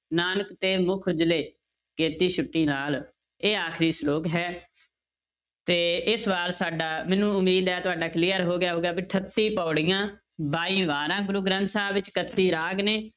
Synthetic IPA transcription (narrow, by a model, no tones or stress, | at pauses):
naːnəkt̪eːmʊkʰʊd͡ʒleː | keːt̪iːʃʊʈːiːnaːl | eːaːkʰɾiːsloːkɦɛː | t̪eːɪsbaːlsaːɖaːmɛ̃ːnũːʊmːiːd̪ɦɛːt̪ʊaːɖaːklɪːəɾɦoːɡɪjaːɦoːɡejaːbiːʈʰət̪ːĩːpɔːɽɪjãː | baːiːʋaːɾãːɡʊɾuɡɾə̃nt̪sãːʋɪt͡ʃkət̪ːiːɾaːɡneː